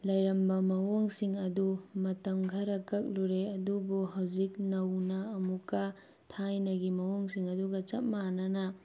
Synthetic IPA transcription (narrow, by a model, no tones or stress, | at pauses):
lɐjɾɐmbɐmɐwoŋsiŋɐdumɐtɐmɡʱɐɾɐkɐk̚luɾeɐdubuɦawzik̚nɐwnɐːmukːɐ | tʰajnɐɡimɐwoŋsiŋɐduɡɐt͡ʃɐt̚manɐnɐ